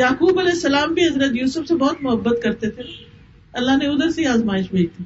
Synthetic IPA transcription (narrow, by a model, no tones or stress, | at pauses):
jaːkuːbɐlɛːsːɐlaːmbʱiɦɐzɾət̪juːsəfsebɔːt̪mʊɦəbːət̪kɐɾt̪et̪ʰe | ɐlːaɦneʊd̪əɾseiaːzmaːɪʃbʱeːd͡ʒt̪ʰi